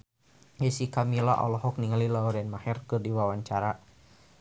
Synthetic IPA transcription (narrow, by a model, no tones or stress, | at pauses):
jisikamila̰ʔɔ̰lɔɦɔk̚niŋalilauɾɛnmahɛrkɨrdiwawaɲt͡ʃaɾa